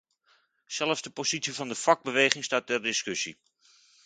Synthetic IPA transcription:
sɛləfzdəpozitsiəvɑndəfɑɡ̚bəʋejχɪŋstaːt̚ɛrdɪskɵsḭ

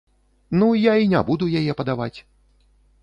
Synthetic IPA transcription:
nujainʲa̰bud̪ujajɛpɐd̪avat͡sʲ

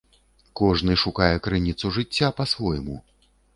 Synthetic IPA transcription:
kɔʐnɨʂukajɛkɾɨnʲit̪suʐɨt͡sʲːapɐsvɔjmu

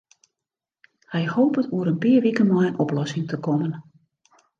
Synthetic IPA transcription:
hɛjhoːpətuəɾənpiərʋikənmɔjənʔɔplɔsɪŋtʰəkɔmən

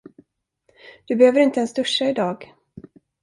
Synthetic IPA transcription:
d̪̥ɵbɛhøːvəɾɪnt̪əɛnsd̪ɵʂːaɪd̪ɑːɡ

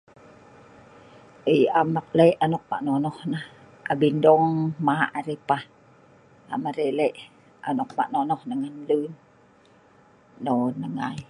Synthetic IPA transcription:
ʔəjamak̚leʔanɔk̚ma̰ʔnɔnɔhnah | ʔabindɔŋmaʔaɾepah | a̰maɾeleʔ | a̰nɔk̚ma̰ʔnonɔhnaŋanlun | ɔnəŋa̰j

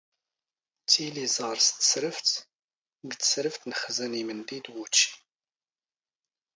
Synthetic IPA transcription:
t͡sːilizˤɑɾˤst̪sɾəft̪ | ɡt͡sːə̥sɾəft̪nəχəzənimənd̪id̪wut͡ʃːi̥

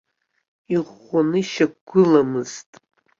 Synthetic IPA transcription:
iʁʷ | anɨʃaɡɡʷɨlamɨz̥tʼ

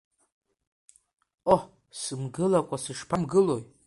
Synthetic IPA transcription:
o | sɨmɡɨlakʷʼasɨʂpʰamɡɨlo̞j

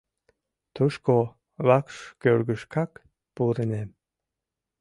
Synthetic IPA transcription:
t̪uʃko | βakʃkøɾɡəʃkak | puɾəne

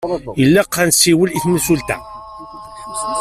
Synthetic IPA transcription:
əlːæqːænsiwəliθnəsult̪æ̰

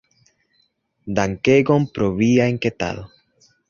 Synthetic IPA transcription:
d̪aŋkeɡompɾoβiaeŋket̪a̰lo

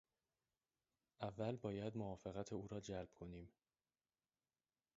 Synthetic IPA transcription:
ʔævːælbɒːjæd̪moɒːfe̞ɣæt̪ʰeuːɾɒːd͡ʒælb̥̚kʰo̞niːm

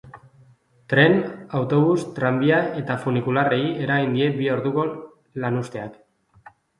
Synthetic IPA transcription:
t̪ɾe̞nawt̪o̞βust̪ɾambiae̞t̪afunikulare̞ie̞ɾaind̪ie̞bio̞ɾðuɣo̞ | lanust̪e̞ak

